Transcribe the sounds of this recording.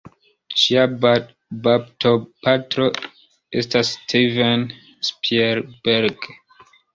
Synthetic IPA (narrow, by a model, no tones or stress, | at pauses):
ʃia | babtʰopatɾo | estastʰiven | spieɾbeɾɡ